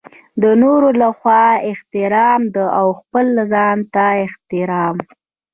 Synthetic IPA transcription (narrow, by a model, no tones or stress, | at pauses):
d̪ənoɾolaxwɑɪht̪ɪɾɑmd̪əawxpəlːzɑnt̪aɪht̪ɪɾɑm